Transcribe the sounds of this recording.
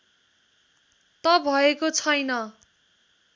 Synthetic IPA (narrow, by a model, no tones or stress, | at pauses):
t̪ʌbʱʌekot͡sʰʌjnʌ